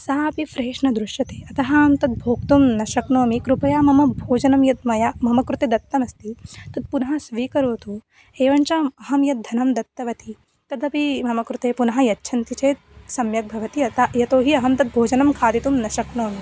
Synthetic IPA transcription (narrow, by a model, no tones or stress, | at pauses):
saːpifɾeːʂɳɐd̪ɾuʃjɐt̪e̥ːɐt̪ɐɦaːmt̪ɐt̪̚bʱoːk̚t̪umnɐʃɐknoːmikɾupɐjaːmɐmɐbʱoːd͡ʒɐnɐmjɐt̪̚mɐjamɐmɐkɾut̪ed̪ɐt̪ːɐmɐst̪it̪ɐt̪̚punɐɦɐsʋiːkɐɾoːt̪u | eːʋɐɳt͡ʃɐːmɐɦɐmjɐt̪̚d̪ʱɐnɐmd̪ɐt̪ːɐʋɐt̪i | t̪ɐtd̪ɐpimɐmɐkɾut̪eːpunɐɦɐjɐtːʃʰɐnt̪it͡ʃeːt̪̚sɐmjɐɡ̪̚bʱɐʋɐt̪iɐt̪ɐjɐt̪oːɦiɐɦɐmt̪ɐt̪̚bʱoːd͡ʒɐnɐmkʰaːd̪it̪umnɐʃɐknoːmi